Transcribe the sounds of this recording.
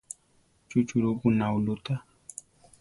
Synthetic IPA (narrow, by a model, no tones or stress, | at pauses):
t͡ʃut͡ʃuɾukunaulut̪a